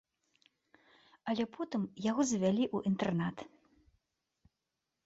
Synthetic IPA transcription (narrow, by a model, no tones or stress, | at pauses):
ɐlʲɛpʰɔt̪ɨmjaɣɔzʲvʲalʲiʔuʔint̪ɛrnat̪